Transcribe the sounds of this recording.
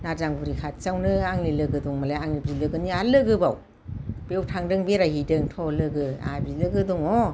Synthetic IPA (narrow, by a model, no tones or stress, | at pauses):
nazaŋɡuɾikʰat̚t͡ʃawnɯaŋnilɯɡɯduŋmalaaŋnib̚dilɯɡɯnialɯɡɯbaw | b̥ewtʰaŋdɯŋbeɾahidɯŋtʰɔlɯɡɯa̰bilɯɡɯduŋɔ